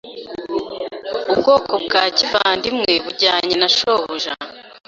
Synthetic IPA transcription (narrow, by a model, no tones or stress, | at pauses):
ubɡo̞ːkʰob̚ɡaːcivaːndimŋe̞βuɟaːɲenaʃohuʒa